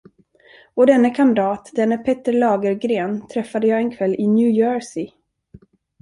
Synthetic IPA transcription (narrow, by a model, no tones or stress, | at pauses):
ɔd̪ɛnːəkʰamd̪ɑːt̪d̪ɛnːəpʰɛt̪ːəɾɭɑːɡəɾɡɾeːnt̪ʰɾɛfːad̪əjɑːɛnkʰvɛlːɪnjʉːjœːɹsɪ